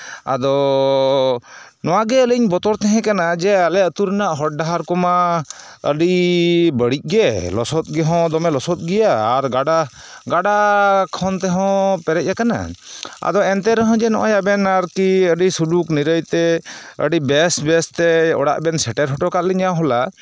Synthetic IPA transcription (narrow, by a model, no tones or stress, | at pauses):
a̰d̪ɔ | nɔwaɡɛələɲbɔt̪ɔɾt̪ɛɦɛ̃kanad͡ʒɛalɛət̪uɾnaʔɦɔʈ̚ɖaɦaɾkɔma | ə̰ɖibəɽic̚ˀɡɛlɔ̰sɔt̪̚ɡɛɦɔ̃d̪ɔmɛlɔsɔt̪̚ˀɡɛjaːɾɡaɖa | ɡaɖakʰɔnt̪ɛɦɔ̃pɛɾɛc̚jakana̰a̰d̪ɔɛnt̪ɛɾɔɦɔ̃d͡ʒɛnɔʔa̰jabɛnaɾkiəɖisulukniɾəjt̪ɛə̰ɖibɛsbɛst̪ɛɔ̰ɽa̰ʔbɛnsɛʈɛɾɦɔʈɔkat̪̚liɲaɦɔla